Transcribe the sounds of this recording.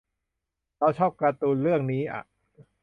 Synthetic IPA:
ɾa˦˥wt͡ɕʰɔː˥˩p̚kɾa˧t̪uː˧nɾɯ˥˩əŋniː˦˥ʔa̰˨˩ʔ

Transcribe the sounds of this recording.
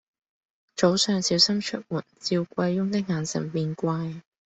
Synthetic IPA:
t͡ʃo˨˥wsœː˧ŋsiː˨˥wsɐ˥mt͡ʃʰɵ˥t̚wuː˨˩nt͡siː˧wkʷɐ˧jːʊ˥ŋt̪ɪ˥k̚ŋaː˨˩nsɪ̰˨˩ŋpiː˧nkʷaː˧j

